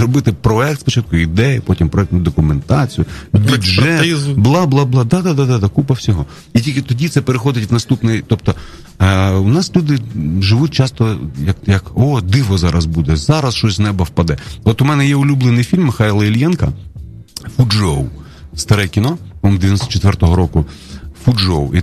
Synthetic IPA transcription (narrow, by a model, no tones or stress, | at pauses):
zɾɔbɪt̪ɪpɾɔɛk̚t̪spɔt͡ʃɑt̪̚kʊid̪ɛjʊpɔtʲimpɾɔɛk̚tnʊd̪ɔkʊment̪ɑt͡sʲijʊbʲiʒɛɪzblˠɑblˠɑblˠɑd̪ɑd̪ad̪ad̪ad̪akupɐwsʲɔɦɔ | itʲilʲkʲɪt̪ɔdʲit̪sɛpeɾexɔd̪ɪtʲʋnɐst̪upnɪjt̪ɔp̚t̪ɔ | unɑslʲud̪ɪʒɪʋut̚ʲt͡ʃɑst̪ɔjɐkjɐkɔd̪ɪʋɔzɑɾɐzbud̪ɛzɑɾɐsʃt͡ʃɔsʲznɛbɐwpɐd̪ɛɔt̪ʊmɛnɛjɛʊlʲublˠenɪjfʲilʲmːɪxɑjlˠɐilʲjɛnkɐ | fud͡ʒɔw | st̪ɐɾɛkʲinɔɔmd̪eʋʲjnɔst̪ɔ̥t͡ʃet̪ʋɛrt̪ɔɦɔɾɔkʊfud͡ʒɔwi